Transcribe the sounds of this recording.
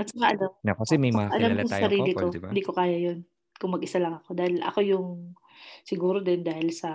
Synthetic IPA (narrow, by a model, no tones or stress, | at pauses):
mɐsɐkaʔɐlɐnakɐsɛmɐjʔɐlamkʊssɐɾiːlɪkoɪnd̪iːko̞kaːjɐjon | kʊŋmɐɡʔɪsalɐŋɐko̞d̪aːhɪlʔɐ̰ko̞jʊŋ | sɪɡuːɾod̪ɛnd̪aːhɪlsɐ